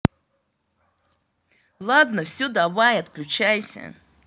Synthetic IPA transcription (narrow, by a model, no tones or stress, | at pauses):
lˠad̪nəfsʲud̪avajɐt̪klʲut͡ɕajsʲə̰